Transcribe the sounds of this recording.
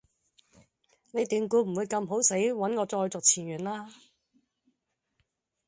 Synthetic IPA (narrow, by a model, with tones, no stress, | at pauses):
ne˨˧jt̪yː˧ŋkuː˨˥m̩˨˩wu˨˧jkɐ˧mɦo˨˥wse˨˥jwɐ˨˥nkɔː˨˧t͡sɔː˧jt͡sʊ˨k̚t͡sʰiː˨˩njɥyː˨˩nlaː˥